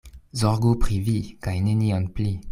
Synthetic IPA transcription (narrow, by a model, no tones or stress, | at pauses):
zɔʁɡopχivikajneniɑ̃npli